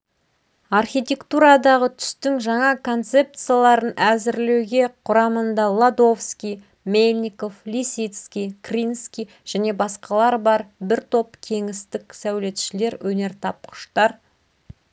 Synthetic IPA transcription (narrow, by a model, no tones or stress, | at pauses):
ɑrχʲijt̪ʲe̞kt̪uɾɑd̪ɑʁət̪ʰʏ̥st̪ɪŋʒɑɴɑkʰo̞nt̪se̞p̚t̪sɨjalˠɑɾənʔæzɪɾlewɡʲe̞qʰʊɾɑmənd̪ɑlˠad̪o̞fskʲij | melʲnʲiko̞flʲisit̪skʲijkrʲinskʲij | ʒ̥æne̞bɑsqɑlˠɑɾbɑɾbɪɾt̪ʰo̞p̚kʲʰe̞ŋɪst̪ɪksæwle̞t̪ʃɪle̞ɾwʔɵne̞ɾt̪ʰɑp̚qʰʊ̥ʃt̪ɑɾ